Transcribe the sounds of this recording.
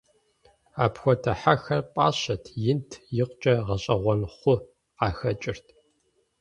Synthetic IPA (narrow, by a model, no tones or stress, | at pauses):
aːpxʷɔtʰɐħaxɐrpʼa̰ːɕɐtʰjɪntʰjɪqʷt͡ʃʼɐʁɐɕʼɐʁʷɔnχʷʊ | qɑːxɐt͡ʃʼɪrtʰ